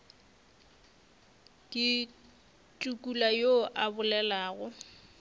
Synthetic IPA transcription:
kʼi | tʼukʼulajoʔabʊlɛlaːɣʊ

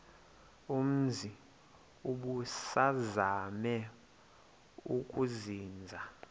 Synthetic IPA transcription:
um̩zʱi | uɓusazamɛ | ukʼuziːnd͡zʱa

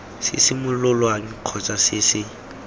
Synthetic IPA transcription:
sɪ̰sɪmʊlʊlwaŋ̩q͡χʰɔt͡sʼasɪsɪ

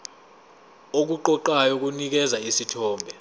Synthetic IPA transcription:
ok̬uǃɔǃajɔk̬unik̬ɛzaisitʰɔːmbʱɛ

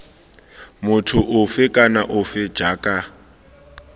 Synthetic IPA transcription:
mʊtʰʊʔʊfɪkʼanaʔʊfɪ̥d͡ʒaːkʼa

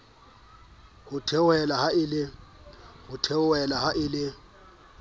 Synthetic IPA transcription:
hʊtʰɛwɛlahaɪlɪ | hʊtʰɛwɛlahaʔɪlɪ

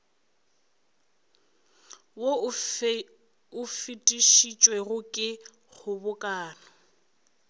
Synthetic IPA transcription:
wo | ʊfɪtʼiʃit͡ʃʼweɣʊkʼɪ | ɣʊbʊkʼaːnɔ

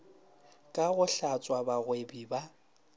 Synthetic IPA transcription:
kʼaɣʊɬat͡sʼwabaɣwebiba

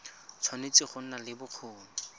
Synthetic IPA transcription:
t͡sʰwanet͡sɪχʊn̩nalɪbʊq͡χʰoːnɔ

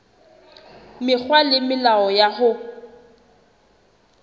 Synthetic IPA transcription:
mɪk͡xwalɪmɪlaɔjaɣʊ

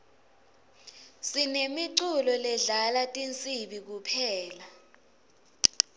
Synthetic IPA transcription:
sinemiǀulɔlɛɮalatʼint͡sʼiɓik̬upʰɛːla

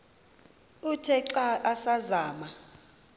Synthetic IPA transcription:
utʰɛǃaʔasazaːma

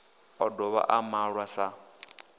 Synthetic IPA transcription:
ɔdɔβa̰ʔamaɺwasa

